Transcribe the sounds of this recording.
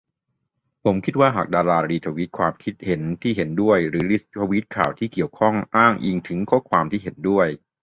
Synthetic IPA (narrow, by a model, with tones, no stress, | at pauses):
pʰo˩˦mkʰi˦˥t̪̚waː˥˩ɦaː˨˩k̚daː˧laː˧ɾiː˧t̪ʰa˧wi˦˥t̪̚kʰwaː˧mkʰi˦˥t̪̚he˩˦nt̪ʰiː˥˩ɦe˩˦ndu˥˩əjɾɯː˩˦ɾi˦sʰa˧wi˦˥t̪̚kʰa̰ː˨˩wt̪ʰiː˥˩ki˨˩əwkʰɔ˥˩ŋʔaː˥˩ŋʔi˧ŋt̪ʰɯ˩˦ŋkʰo˦˥kʰwaː˧mt̪ʰiː˥˩ɦe˩˦ndu˥˩əj